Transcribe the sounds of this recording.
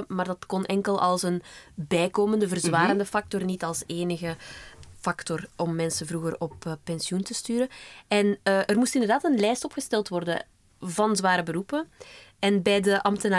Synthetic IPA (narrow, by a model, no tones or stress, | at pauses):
maːrdɑtkɔnʔɛŋkəlˠɑ̰lˠsənbɛjkoːməndəvərzʋaːɾəndəfɑk̚tɔrnitɑlˠseːnəɣəfɑktɔrʔɔmːɛnsənvruɣərɔpːɛnsjuntəstyːɾəɛnʔərmustɪndərdaːtənlɛjstɔpxəstɛlˠtʋɔrdə̰ | vɑnzʋaːɾəbəɾupəɛnbɛjdəʔɑmtənaː